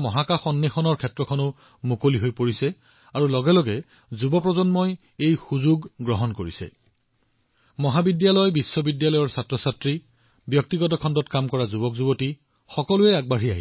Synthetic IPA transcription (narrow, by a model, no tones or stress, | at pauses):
mɔɦakaxɔnːexɔnɔɹkʰɛtɹɔkʰɔnʊ | mukoliɦojpoɹisɛ | aɹulɔɡɛlɔɡɛ | zubɔpɹɔzɔnmɔj | ejxuzuɡɡɹɔɦɔnkoɹisɛ̰ | mɔɦabidjalɔjbisːɔbidjalɔjɔɹsatɹɔsatɹi | bjɔk̚tiɡɔtɔkʰɔndɔtkamkɔɹazubɔkzuboti | xɔkɔlʊɛaɡ̚baɦia̰ɦi